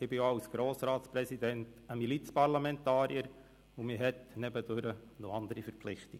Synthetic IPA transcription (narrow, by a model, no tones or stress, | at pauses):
ɪbɪjoawsɡ̥ɾoːsɾɑːtspɾɛsidɛntəmilit͡spɑɾlamɛntɑːɾiəɾ | ʊmɪɦɛtnɛbəd̥øɾənɔɑnd̪əɾifəɾpflɪχt̪iɡ